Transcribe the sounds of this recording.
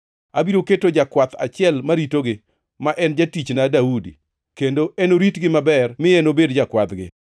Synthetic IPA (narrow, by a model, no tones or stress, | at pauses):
abiɾoketod͡ʒakwat̪a̰t͡ʃɪɛlmaɾitoɡɪ | maʔɛnd͡ʒatit͡ʃnadaudḭ | kendoenoɾitɡɪmabɛrmɪenobedd͡ʒakwat̪ɡɪ̰